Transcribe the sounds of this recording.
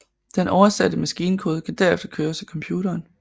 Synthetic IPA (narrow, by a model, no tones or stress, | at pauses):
d̥enʔɒʊɐsæd̥əmæsɡ̥iːnəkʰo̝ːð̞ˠkʰæd̥æɐefd̥ɐkʰøːɐsækʰɒ̽mpʰjṵːɾɐːn